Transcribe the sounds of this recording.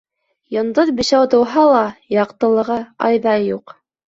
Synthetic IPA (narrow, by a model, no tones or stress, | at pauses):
jɤ̆nd̪ɤðbɘ̆ʃæwt̪ɤ̆wɦɑlˠɑjɑqt̪ɤ̆lˠɤ̆ʁɤɑ̰jðɑjuq